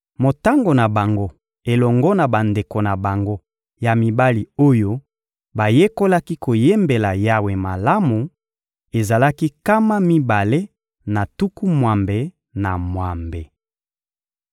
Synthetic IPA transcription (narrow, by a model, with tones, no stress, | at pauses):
mo˨ta˦ŋɡo˨na˨ba˨ŋɡo˦ | e˨lɔ˨ŋɡɔ˦na˨ba˨nde˨ko˨na˨ba˨ŋɡo˦ | ja˨mi˨ba˦li˨o˦jo˦ | ba˨je˦ko˦la˦ki˦ko˨je˦mbe˨la˨ja˦we˨ma˨la˦mu˨ | e˨za˨la˦ki˦ka˦ma˦mi˦ba˨le˦ | na˨tu˦ku˦mwa˨mbe˨ | na˨mwa˨mbe˨